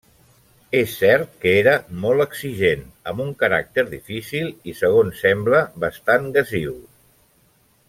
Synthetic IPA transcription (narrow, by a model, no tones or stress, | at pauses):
esːɛɾt̪̚kəeɾəmɔlˠəksiʒenəmuŋkəɾa̰k̚t̪əɾðifisilˠisəɣ̞onsɛmbləβəst̪anɡəziw